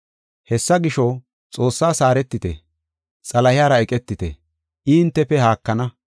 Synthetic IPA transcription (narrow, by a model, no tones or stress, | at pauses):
hɛsːɐɡɪʃɔ | t͡sʼo̞ːsːaːsaːɾɛt̪ːɪt̪ɛ̰ | t͡sʼɐlɐhɪaːɾɐɛkʼɛt̪ːɪt̪ɛ̰ | ʔɪɪnt̪ːɛpːɛhaːkːɐnɐ